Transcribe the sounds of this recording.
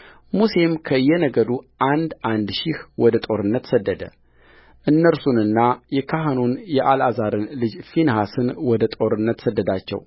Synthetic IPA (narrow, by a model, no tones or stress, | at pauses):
muse̞mkʰəɨjːɛnəɡəd̪uʔand̪ʔand̪ʃihwɔd̪ət̪ʼo̞ɾɨnːət̪səd̪ːəd̪ə̰ | ʔɨnːəɾsunɨnːajɛkʰaɦanunjɛʔalazaɾɨnlɨd͡ʒfinhasɨnwɔd̪ət̪ʼo̞ɾɨnːət̪səd̪ːəd̪at͡ʃːɛ̰w